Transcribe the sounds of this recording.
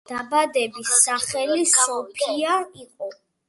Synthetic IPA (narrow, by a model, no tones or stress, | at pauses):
d̪̥abad̪ɛbisːaχɛlisɔpʰiaqʼɔ